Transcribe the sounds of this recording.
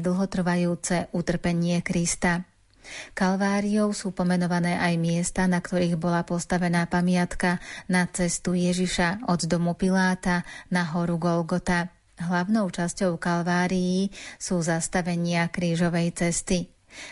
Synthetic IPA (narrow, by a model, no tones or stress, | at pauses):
d̪l̩ˠɦɔt̪r̩ʋajuːt͡sɛʔut̪r̩pɛɲɪɛkɾist̪a | kalʋaːɾiɔʊsuːpɔmɛnɔʋanɛːʔajmɪɛst̪anakt̪ɔɾiːɣbɔlapɔst̪aʋɛnaːpamɪat̪kanat͡sɛst̪ujɛʒiʃaɔd̪d̪ɔmupilaːt̪anaɦɔɾuɡɔlɡɔt̪a | ɦlaʊnɔʊt͡ʃascɔʊkalʋaːɾijisuːzast̪aʋɛɲɪakɾiːʒɔʋɛjt͡sɛst̪i